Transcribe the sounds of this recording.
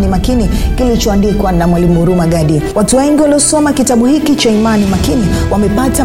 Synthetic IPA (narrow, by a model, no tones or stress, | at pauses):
nimakinikilit͡ʃɔandikwanamwalimuuɾumaɡaɗiwatuwɛŋɡiwaliɔsɔmakitaɓuhikit͡ʃaimanimakiniwamɛpata